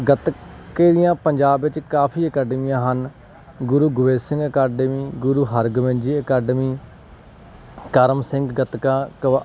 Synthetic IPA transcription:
ɡət̪keːd̪ɪjãːpəɲd͡ʒaːbʋɪt͡ʃkaːpʰiːəkɛːɖəmijãːɦən | ɡʊɾuːɡʊʋeːsɪ̃ŋɡəkaːɖəmiːɡʊɾuːɦəɾɡəmẽnd͡ʒiːəkɛːɖəmiː | kəɾəmsɪŋɡɡət̪kãːkə

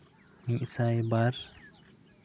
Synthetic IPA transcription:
miʔsajbaɾ

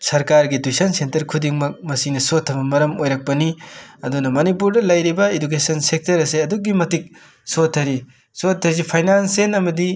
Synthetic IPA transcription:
sɐɾkaɾɡidujsɐnsentɐɾkʰudiŋmɐk̚mɐsiŋnɐsotʰːɐbɐmɐɾɐmojɾɐk̚pɐniɐdunɐmɐnipuɾdɐlɐjɾibɐeduk̬esɐnsek̚tɐɾɐseɐduk̚ɡimɐtik̚ | sotʰːɐɾi | sotʰːɐɾzipʰajnansenɐmɐdi

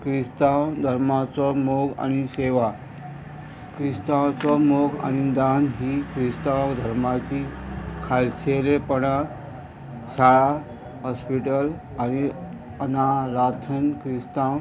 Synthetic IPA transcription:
kɾist̪awd̪ʱəɾmat͡sɔmoɡa̰ñiseʋa | kɾist̪ãwt͡sɔmoɡa̰ñid̪anɦiːkɾist̪awd̪ʱəɾmat͡ɕikʰalselepəɽa | saɭa | ɦɔspiʈəl | añi | ənaɾat̪ʰənkɾist̪ãw

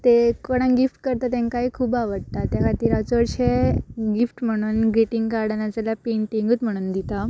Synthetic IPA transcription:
t̪ekəɽ̃ãnɡifʈkəɾt̪at̪ẽŋkaiːkʰuːbaʋəɽt̪at̪jakʰat̪iːɾat͡səɾɕeɡifʈm̤əɽ̃uːnɡɾiʈiŋɡkaɾɽanat͡salapeɳʈiŋɡət̪m̤əɽ̃uːnd̪it̪a

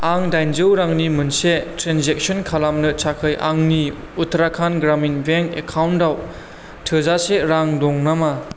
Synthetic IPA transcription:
aŋdajnd͡ʒɯwɾaŋnimɯnsetɾenzek̚sɔnkʰalamnɯt͡ʃʰakʰɯjʔa̰ŋni | utʰɾakʰanɡɾaminbeŋkḛkʰawndaw | tʰɯzaseɾaŋdɔŋnama

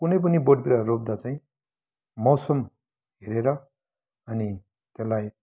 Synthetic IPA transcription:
kunʌjp̬ʌniboɖpiɾarob̚d̪at͡saĩ | mʌwsʌm | ɦeɾeɾʌ | ʌni | t̪elːaj

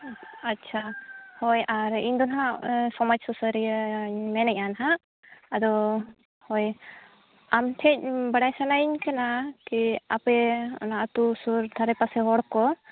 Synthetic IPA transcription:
atːt͡ʃʰahɔjaɾḭɲd̪ɔnɦaʔsɔmad͡ʒsɔsəɾijəɲmɛnɛc̚anɦaʔː | d̪ɔ | hɔj | amʈʰɛc̚bəɽajsanajiɲkanakia̰pɛnaʔt̪usuɾd̪ʱaɾɛpasɛɦɔɽkɔ

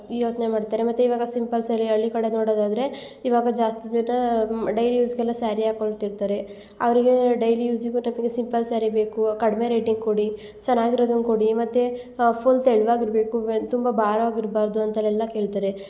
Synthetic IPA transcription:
joːt͡ʃnemaːɖt̪aːɾemɐt̪ːeiːʋaːɡɐsimpɐlsɐlːiɐɭːikɐɽe̞noːɽod̪aːd̪ɐɾe̞ | iʋaːɡɐd͡ʒaːst̪id͡ʒɐnːɐɖɐjlijuːsɡɛlːɐsaːɾiaːkoɳt̪iɾt̪aːɾe̞ | ɐ̰ʋɐɾiɡe̞ɖɐjlijuːsiɡunɐmiɡesimpɐlsaːɾibe̞ːkukɐɽme̞ɾeːʈiŋɡkoɽi | t͡ʃɐnːaːɡiɾod̪ɐnkoɽimɐt̪ːe | pʰoːnseɭʋaːɡiɾbe̞ːkut̪umbɐbʱaːɾɐʋaːɡiɾbaːɾd̪uɐnt̪ɐlɛlːɐke̞ːɭit̪aːɾe

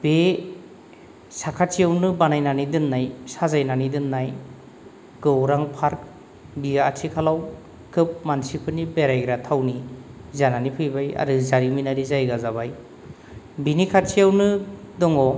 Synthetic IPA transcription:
b̥e | sakʰat͡ʃʰijawnɯbanajnanidɯnːajsazajnanidɯnːaj | ɡ̥ɯwɾaŋpʰaɾk̚ | biaatʰikʰalaw | kʰɯp̚mansipʰɯnibeɾajɡɾatʰawnizananipʰɯjbaja̰ɾɯzaɾiminaɾizajɡazabaj | binikʰat͡ʃijawnɯ | dɔŋɔ

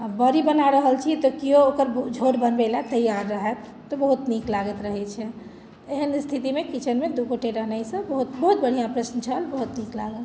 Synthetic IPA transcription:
bəɾibənaɾəɦəlt͡ʃʰit̪ɔkioːkəɾd͡ʒʱoɾbənbelat̪əjaɾːəɦɛt̪ːɔbəɦut̪niklaɡət̪ɾəɦɛt͡ʃʰɛ | eɦənst̪ʰit̪imekit͡ʃʰənmed̪ukoʈeɾəɦnajsə̃bəɦut̪bəɦut̪̚bəɽ̤ijãpɾəsnət͡ʃʰəlbəɦut̪niklaɡəl

